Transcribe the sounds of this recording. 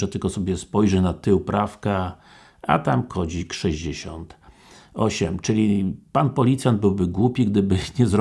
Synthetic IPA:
ɛt̪ɘlkɔsɔbʲjɛspɔjʐɛnat̪ɘwpɾʔafka | a̰t̪amkʰɔd͡ʑikʂɛʑd͡ʑeɕɔ̰nt̪ | ɔɕɛmt͡ʂɘlʲipanpɔlʲit̪sʲjand̪̚bɘwbɘɡwupʲiɡd̪ɘbɘɲɛzɾɔ

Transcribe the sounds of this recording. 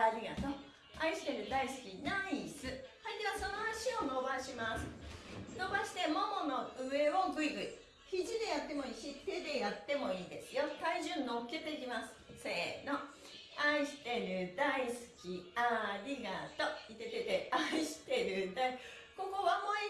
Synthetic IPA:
aɾʲiɡat̪o | aiɕi̥t̪e̞ɾɯ̟d̪aisɨ̥kʲinaisɨhaid̪e̞βaso̞no̞aɕio̞no̞baɕimasɨ̥no̞baɕi̥t̪e̞momo̞no̞ɯ̟e̞o̞ɡɯ̟iɡɯ̟i | çiʑid̪e̞jat̪ːe̞mo̞iːçit̪e̞d̪e̞jat̪ːe̞mo̞iːd̪e̞sɨjo̞t̪aiʑɨ̃nːo̞kːe̞t̪e̞k̬ʲimasɨ̥se̞ːno̞ | aiɕi̥t̪e̞ɾɯ̟d̪aisɨ̥kʲiaɾʲiɡat̪o̞it̪e̞t̪e̞t̪e̞aiɕi̥t̪e̞ɾɯ̟d̪ai | ko̞ko̞βamoi

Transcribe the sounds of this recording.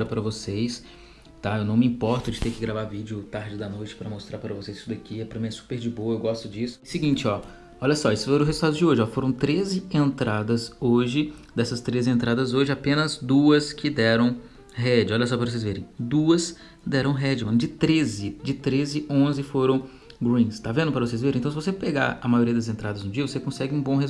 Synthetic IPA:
ɾɐpaɾɐvosejs | t̪aewnɐ̃w̃mɪĩpɔɾt̪ʊd͡ʒɪt̪eɾkɪɡɾavaɾvid͡ʒɪʊt̪aɾd͡ʒɪd̪ɐnojt͡ʃɪ̥pɾɐmost̪ɾaɾpaɾɐvosejz̥i̥sʊd̪ɐkʰiɛpɾɐmĩɛsu̥peɾd͡ʒɪbowɐewɡɔst̪ʊd͡ʒisʊ̥sɪɡĩnt͡ʃɪɔ | ɔʎɐsɔisʊ̥fojɾʊɦezut̪ad̪ʊzd͡ʒɪoʒɪɔfoɾɐ̃w̃t̪ɾezɪẽnt̪ɾad̪ɐzoʒɪd̪ɛsɐst̪ɾezɪẽnt̪ɾad̪ɐzoʒɪapẽnɐzd̪uɐskʰɪd̪ɛɾɐ̃w̃ | ɦɛd͡ʒɪɔʎɐs̬ɔpɾɐvosezveɾẽj̃d̪uɐs | d̪ɛɾɐ̃w̃ɦɛd͡ʒɪmɐ̃nd͡ʒɪt̪ɾezɪd͡ʒɪt̪ɾezɪõzɪfoɾɐ̃w̃ | ɡɾĩst̪avẽnd̪ʊpɐɾɐvosejzveɾ̃t̪ɐ̃w̃sɪvosepeɡa̰ɾɐmajoɾiɐd̪ɐzẽnt̪ɾad̪ɐznʊd͡ʒiɐvosekõsɛɡɪũbõɦez

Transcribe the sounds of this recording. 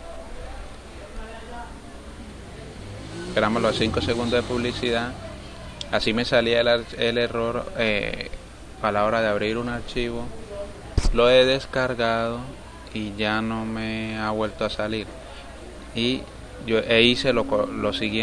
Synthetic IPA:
peɾamozlosiŋko̞seɣund̪ozðepuβlisiða | asime̞salialaɾele̞ro̞ɾḛ | alao̞ɾaðeaβɾiɾunaɾt͡ʃiβo̞ | lo̞e̞ðe̞skaɾɣað̞o̞ | iʝano̞meaβwe̞lt̪oasaliɾ | i | ʝoʔeise̞lokolo̞siɣje

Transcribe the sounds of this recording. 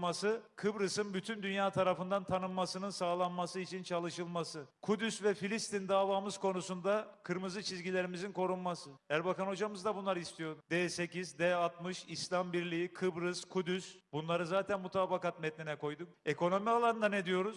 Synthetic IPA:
masɯkʰɯbɾɯsɯnbyt̪ʰynd̪ynjaːt̪ʰaɾafɯnd̪ant̪ʰanɯmːasɯnɯnsaːlˠanmasɯit͡ʃʰint͡ʃʰalˠɯʃɯlˠmasɯkʰud̪ysvɛfilʲist̪ind̪aːvaːmɯz̥kʰo̞nusund̪akʰɯɾmɯzɯt͡ʃʰizɟilʲe̞ɾimizinkʰo̞ɾunmasɯhæɾbakano̞d͡ʒamɯzd̪abunlˠaɾɯist̪ʰijo̞ɾud̪ɛːse̞cizd̪ɛːat̪mɯʃislʲambiɾlʲijikʰɯbɾɯskʰud̪ysbunlˠaɾɯzaːt̪ʰænmut̪ʰaːbakat̪mɛt̪̚ninɛko̞jd̪uk̚eko̞no̞mialˠanɯnd̪anɛd̪ijo̞ɾuz̥

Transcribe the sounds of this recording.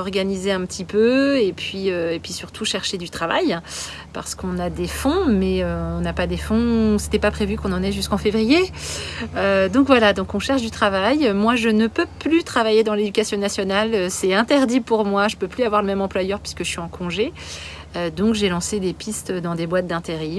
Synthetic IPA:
ɔʁɡanizeɛ̃pət̪ʰipøepɥiøepɥisyʁt̪ʰuʃɛʁʃed̪yt̪χava̰j | pa̰ʁsə̥kɔ̃nad̪efɔ̃mɛøɔ̃napad̪efɔ̃se̥t̪ɛpapχevykɔ̃nɑ̃nɛʒyskɑ̃fevʁije | ød̪ɔ̃kvwalad̪ɔ̃kɔ̃ʃɛʁʃd̪yt̪χavajømwaʒənəpøplyt̪χavajed̪ɑ̃led̪ykʲasjɔ̃nasjɔnaløsɛɛ̃t̪ɛʁd̪ipuʁmwaʒəpøplyavwaʁləmɛmɑ̃plwajœʁpɥi̥skəʒəsɥiɑ̃kʰɔ̃ʒe | ød̪ɔ̃kʒelɑ̃sed̪epist̪d̪ɑ̃d̪ebwat̪̚d̪ɛ̃t̪eʁi

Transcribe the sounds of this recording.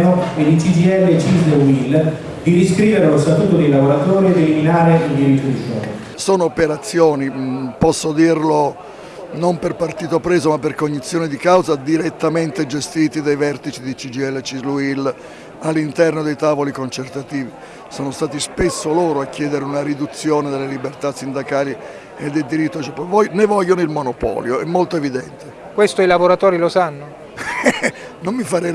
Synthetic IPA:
oed̪it͡ʃid͡ʒiɛlːet͡ʃizluil | d̪idiskɾiːveɾelost̪at̪uːt̪od̪ejlavoɾat̪oːɾied̪eliminaːɾeild̪iɾit̪ːod̪iʃɔ̰ɾ | sɔːnoːpeɾat̪sːjɔːnipɔsːod̪irlo | nomperpart̪iːt̪opɾɛːzomapːerkoɲːit̪sːjɔːnid̪ikawzad̪iɾet̪ːament̪ed͡ʒest̪iːt̪id̪ajvɛrt̪it͡ʃid̪it͡ʃid͡ʒiɛlːet͡ʃizluil | alːint̪ɛrnod̪ejt̪aːvolikont͡ʃert̪at̪iːvi | soːnost̪aːt̪ispesːoloːɾoakːjɛːd̪eɾeunaɾid̪ut̪sːjoːned̪elːelibert̪asːind̪akaːli | ed̪ːeld̪iɾit̪ːoat͡ʃːɛpovɔnevɔʎːonoilmonopɔ̰ːljoɛmːolt̪oevid̪ɛnt̪e | kwest̪oilavoɾat̪oːɾilosanːo | nomːifaɾɛ

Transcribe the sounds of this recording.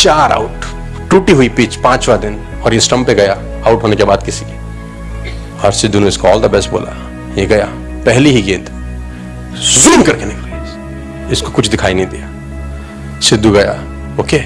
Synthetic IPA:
t͡ʃaːɾa̰ʊʈ | ʈuːʈiɦʊipiːt͡ʃpãːt͡ʃʋad̪ɪn | ɔːɾjesʈɐ̃mpeɡɐja | aʊʈɦoːnekebaːd̪̚kɪsiki | ɔːɾsɪd̪ʱːuneɪskaɔːld̪abɛsʈbo̰ːlʔa̰ | jeɡɐjaː | pɛɦliɦiɡẽːnt̪ | zuːmkɐɾkenɪ̃k | ɪskokʊt͡ʃʰd̪ɪkʰaːinɐɦĩd̪ijaː | sɪd̪ʱːuɡɐja̰ː | oːkeː

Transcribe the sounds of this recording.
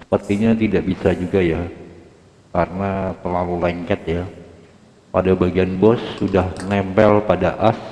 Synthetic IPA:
sə̥pərt̪iɲat̪idaʔbisad͡ʒuɡaja | kaɾənat̪ərlalulɛŋkɛt̪̚ja | padabaɡianbɔsːudahnɛmpɛlpadaʔas

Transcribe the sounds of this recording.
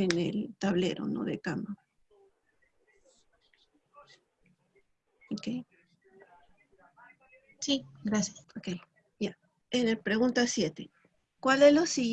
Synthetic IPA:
enḛlt̪aβlḛɾo̰no̰ðḛkambo | okej | siɡɾasjasokej | ja | enepɾeɣunt̪asjet̪e | kwalelosi

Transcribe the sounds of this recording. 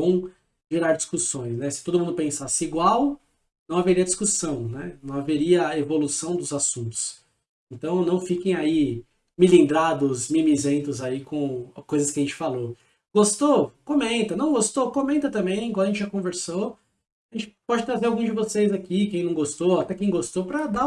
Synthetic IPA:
õw̃ | ʒiɾaɾd͡ʒiskusõj̃snɛsɪt̪od̪ʊmũnd̪ʊpẽsasɪiɡwaw | nɐ̃w̃aveɾiɐd͡ʒiskusɐ̃w̃nɛnɐ̃w̃aveɾiɐevolusɐ̃w̃d̪ʊzasũnt̪ʊ̥s | ẽnt̪ɐ̃w̃nɐ̃w̃fikẽj̃ai | milĩnd̪ɾad̪ʊzmimizẽnt̪ʊzaikõkojzɐskɪɐʒẽt͡ʃɪ̥falo | ɡ̥ost̪okõmẽnt̪ɐnɐ̃w̃ɡost̪okõmẽnt̪ɐt̪ɐ̃mbẽj̃ẽɡɔɾɐʒẽt͡ʃɪʒakõveɾso | aʒẽnt͡ʃɪ̥pɔd͡ʒɪt̪ɾazeɾawɡũd͡ʒɪvosejzakikẽj̃nɐ̃w̃ɡost̪oat̪ɛkẽj̃ɡost̪opɾɐd̪a

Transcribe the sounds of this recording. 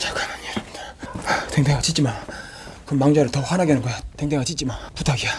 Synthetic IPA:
t͡ɕakamaɲeɾamɲi̥d̥aatʰeŋd̪ewat͡ɕit͡ɕiman | kɯmaŋd͡ʑʌɾɯɭtʌɸwanaɡenɯnɡʌjatʰeŋd̪eŋwat͡ɕit̚t͡ɕ͈imanput̪ʰaɡia

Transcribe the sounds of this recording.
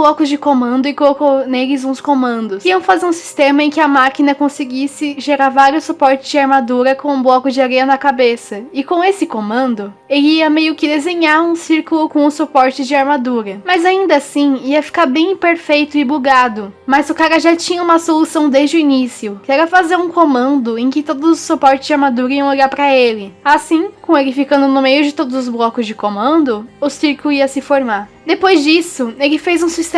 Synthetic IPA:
blɔkʊzd͡ʒɪkomɐ̃nd̪ʊɪkolokownelɪzũskomɐ̃nd̪ʊsiɐ̃w̃fazeɾũsi̥st̪ẽmɐẽj̃kɪɐmakinɐkõsɪɡisɪʒeɾaɾvaɾjʊsupɔɾt͡ʃɪzd͡ʒɪaɾmad̪uɾɐkõũblɔkʊd͡ʒɪaɾɛɐnɐkabesɐɪkõesɪkomɐ̃nd̪ʊ | elɪiɐmejʊkɪd̪ezẽɲaɾũsiɾkʊlʊkõʊ̃supɔɾt͡ʃɪd͡ʒɪaɾmad̪uɾɐmɐzaĩnd̪ɐasĩiɐfi̥kaɾbẽj̃peɾfejt̪ʊɪbuɡad̪ʊmɐzʊkaɾɐʒat͡ʃĩɲɐũmɐsolusɐ̃w̃d̪ezd͡ʒɪʊinisiʊkɪɛɾɐfazeɾũkomɐ̃nd̪ʊẽj̃kɪt̪od̪ʊzʊsupɔɾt͡ʃɪzd͡ʒɪaɾmad̪uɾɐiɐ̃w̃oʎʲaɾpɾɐelɪasĩkõelɪfikɐ̃nd̪ʊnʊmejʊd͡ʒɪt̪od̪ʊzʊzblɔkʊzd͡ʒɪkomɐ̃nd̪ʊʊsiɾkʊlʊiɐsɪfoɾmaɾ | d̪epojzd͡ʒisʊelɪfejzũsist̪

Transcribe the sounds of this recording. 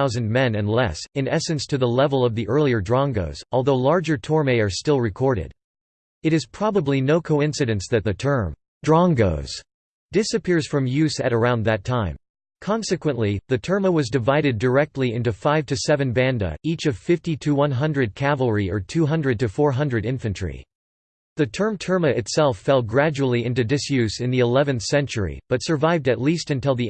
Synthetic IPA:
aʊzɨ̃nmɛ̃nɨ̃nlɛsɨ̃nɛsɨ̃nstʰɨðəlɛvl̩ˠʌvðiʔɜ˞lˠiə˞dɹɑ̃ŋɡoʊz̥ɔlˠðoʊlɑɹd͡ʒə˞tʰɔɹmeɪə˞stɪlˠɹɨkʰɔɹɾɪ̰ɾ | ɨɾɨz̥pʰɹ̥ɑbəblinoʊkʰoʊɪ̃nsɨɾɨ̃nsðɨt̪̚ðɨtʰɜ̃˞m | dɹɑ̃ŋɡo̰ʊz̥ | d̥ɪsɨpʰɪɹz̥fɹʌ̃mjʉsɨɾə˞ãʊ̃nðɨtʰãɪ̃m | kʰɑ̃nsɨkwə̃nʔliðɨtʰɜ˞məwʌzdɨvaɪɾɨdə˞ɛk̚tˡliɪ̃ntʉfaɪv̥tʰɨsɛvɨ̃nbæ̃ndɨ̰it͡ʃʌv̥fɪftiɾʰɨwʌ̃nɦʌ̃ndɹɨd̚kʰævl̩ˠɹiə˞tʰʉɦʌ̃ndɹɨd̚tɨfɔɹɦʌ̃ndɹɨɾɪ̃ɱfɨ̃nt͡ʃʰɹ̥ḭ | ðɨtʰɜ̃˞mtʰɜ˞mɨʔɨtsɛlˠfɛlˠɡɹæd͡ʒul̩ˠiɪ̃ntʉdɨsjʉsɨ̃nðiɨlɛvɨ̃nθsɛ̃nt͡ʃə˞ḭb̥ʌtsə˞vaɪvdɨtˡlistɨ̃ntɪlˠði

